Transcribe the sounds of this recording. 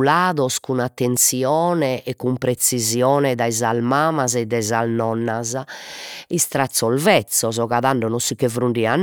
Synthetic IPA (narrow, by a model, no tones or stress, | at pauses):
laːðɔskunat̪ːent̪siɔːnɛʔɛkːumpɾesizjɔːnɛd̪aizalmaːmazɛd̪ːaizalnɔnːaza | ist̪ɾat̪sːɔlvɛt̪sːɔzɔɣaðaɳɖɔnɔsːikːevɾuɳɖianː